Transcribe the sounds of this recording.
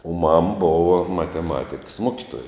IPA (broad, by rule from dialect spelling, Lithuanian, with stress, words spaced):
oː mɐm ˈboːʋɐ mɐtʲɛˈmɑːtʲɪkɐs ˈmoːkʲɪtoːjɛ